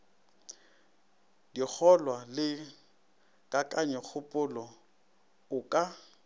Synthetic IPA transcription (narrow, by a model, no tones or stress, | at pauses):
dik͡xʰɔlwalɪ | kʼakʼaɲɛk͡xʰʊpʼʊlɔ | ʊkʼa